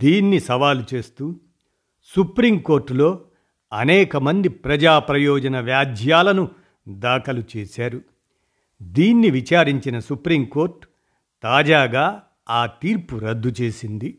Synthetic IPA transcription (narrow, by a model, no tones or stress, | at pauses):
d̪iːnːisɐʋaːlut͡ʃe̞ːst̪uː | supɾimko̞ːɾʈːlo̞ː | ɐnɛːkɐmɐnd̪ipɾɐd͡ʒaːpɾɐjɔːd͡ʒɐnɐʋjaːd͡ʒ̪ʱjaːlɐnu | d̪aːkɐlut͡ʃe̞ːsaːɾu | d̪iːnːiʋit͡ʃaːɾiɲt͡ʃinɐsupɾimko̞ːɾʈ | t̪aːd͡ʒaːɡaː | aːt̪iːɾpuɾɐd̪ːut͡ʃe̞ːsind̪i